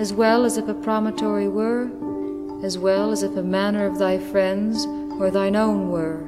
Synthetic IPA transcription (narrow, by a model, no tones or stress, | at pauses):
ɨzwɛlˠəzɨfɨpʰɹ̥ɑmətʰɔɹiwə˞ | ɨzwɛlˠəzɨfəmænə˞ʌvðaɪfɹɛ̃ndz | ə˞ðãɪ̃nõʊ̃nwə˞